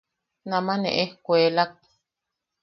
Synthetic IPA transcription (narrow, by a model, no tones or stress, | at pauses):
namanḛ̃ʔehkʷeːlak̚